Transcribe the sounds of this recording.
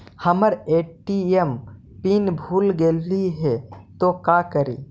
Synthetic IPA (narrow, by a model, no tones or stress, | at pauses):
həməɾeːʈiem | pinbʱuːlɡeliɦɛt̪okakəɾḭː